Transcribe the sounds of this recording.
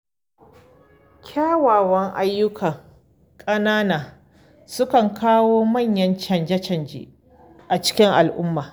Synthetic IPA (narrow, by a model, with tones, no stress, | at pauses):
kʲʰaː˦waː˨wɐ˦ŋʔa̰˦jːʊ˦kʰɐ˨ŋ | kʼɐ˦naː˦naː˨ | sʊ˦kɐ˨ŋkʰaː˦woː˦mɐ˦˨ɲjɐ˦nt͡ʃɐ˨nd͡ʒɐ˦t͡ʃɐ˨nd͡ʒḛ˨ | ʔa˨t͡ʃɪ̥˦kʲɪ˦ŋʔa˨lʔʊ̰˦mːaː˨